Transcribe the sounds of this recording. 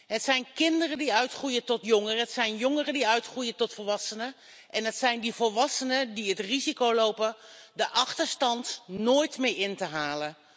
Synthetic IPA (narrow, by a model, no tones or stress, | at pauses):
ɦətsɛjnkɪndərədiœɥtχrujətɔtjɔŋərəɦətsɛjnjoŋərədiœɥtχrujətɔtfəlʋɑsənə | ʔɛnɦətsɛjndivəlˠʋɑsənədiɦətrizikowlowpəndəʔɑχtəɹstɑntnoːjtmeːɪntəɦaːlən